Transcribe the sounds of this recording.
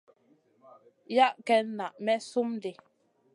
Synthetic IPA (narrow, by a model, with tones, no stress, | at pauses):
ja˦ʔkɛ˦na˨ʔmɛ˦su˦mde˨